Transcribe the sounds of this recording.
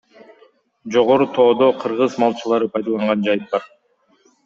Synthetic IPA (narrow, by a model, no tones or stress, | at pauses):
d͡ʒo̞ʁo̞ɾut̪ʰo̞ːd̪o̞qʰɯɾʁɯzmɑlˠt͡ʃɯlˠɑɾɯpʰɑjd̪ɑlˠɑɴʁɑnd͡ʒɑjɯt̪̚bɑɾ